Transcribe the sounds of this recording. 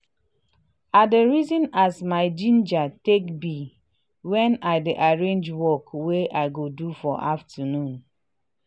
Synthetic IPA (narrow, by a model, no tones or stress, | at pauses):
adeɹizɔ̃nasmaɪd͡ʒĩnd͡ʒatekbi | wɛ̃naɪdeʔaɹẽnd͡ʒwɔkweʔaɪɡodufɔʔaftʰənũn